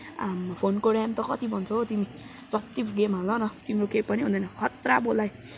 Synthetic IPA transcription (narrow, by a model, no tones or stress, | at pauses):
mpʰonkoɽamt̪ʌkʌt̪ibʱʌnt͡sʰʌt̪imi | t͡sʌt̪ipɡemalʌnʌt̪imɾokepʌniɦũnd̪ʌjnʌkʰʌt̪rabolaj